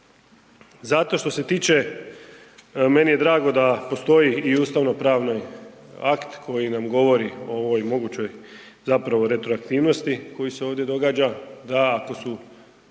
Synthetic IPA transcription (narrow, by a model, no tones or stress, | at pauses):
zat̪o̞ʃt̪o̞se̞t̪iːt͡ʃe̞ | me̞nije̞d̪ɾaːɡo̞d̪apo̞st̪o̞jiiuːst̪aʋno̞pɾaːʋnojakt̪kʰo̞jinamɡo̞ʋo̞ɾio̰oʋojmo̞ɡut͡ɕo̞j | zapɾaʋo̞ɾe̞t̪ɾoakt̪iːʋno̞st̪iko̞jiseoːʋd̪ʲje̞d̪o̞ɡaːd͡ʒad̪aːko̞su